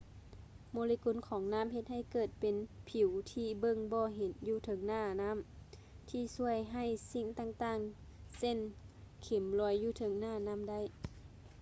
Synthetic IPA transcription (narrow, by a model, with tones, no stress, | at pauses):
moː˧li˧ku˧˦˨nkʰɔː˨˦ŋnaː˧˥˨mhe˧t̪̚ha˧˩˨jkɤː˨˩t̪̚pe˨˦npʰi˨˩˦wt̪ʰiː˧˩bɤ˧˨ŋbɔː˧ɦe˨˦njuː˧˩t̪ʰɤ˨˦ŋnaː˧˩na˧˥˨m | t̪ʰiː˧˩su˧˩əjɦa˧˩jsi˧˩ŋt̪aː˧˨ŋt̪aː˧˩ŋse˧˥˨nkʰe˨˩˦mlɔː˧˦jːuː˧˩t̪ʰɤ˨˦ŋnaː˧˩˨na˧˥˨mda˧˥˨j